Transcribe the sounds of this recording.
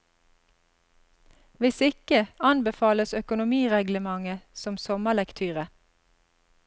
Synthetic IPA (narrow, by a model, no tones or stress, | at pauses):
ʋɪsɪkəɑnbəfɑːləsœkʊnʊmiːʁɛɡləmɑŋəsɔmsɔməlɛkt̪ʰyːʁə